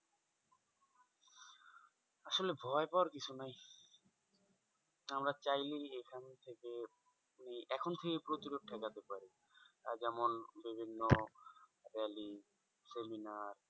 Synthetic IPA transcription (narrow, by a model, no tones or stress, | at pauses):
aʃolebʱɔepawaɾkit͡ɕʰunaj | amɾat͡ɕajliekʰant̪ʰeke | niʔɛkʰont̪ʰekepɾot̪iɾoʈ̚ʈʰɛkat̪epaɾi | a̰d͡ʑɛmonbibʱinːo | ɾɛli | seminaɾ